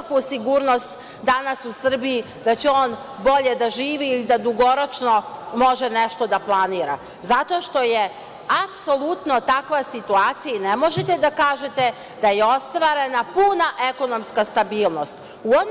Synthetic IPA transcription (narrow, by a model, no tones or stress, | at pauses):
kusiɡuːɾno̞st̪ | d̪anasusr̩biji | d̪̥at͡ɕeo̞ːn | bo̞ʎe̞d̪aʒiːʋiːlid̪ad̪uɡo̞ɾo̞t͡ʃno̞mo̞ʒeneʃt̪o̞d̪aplˠaniːɾa̰ | zat̪o̞ʃt̪o̞je̞ | apso̞lˠut̪no̞t̪akʋasit̪uaːt̪sijanemo̞ʒet̪e̞d̪akaːʒet̪e̞ | d̪̥ajeo̞st̪ʋaːɾe̞napunaʔe̞ko̞no̞mskast̪abiːlˠno̞st̪ | uo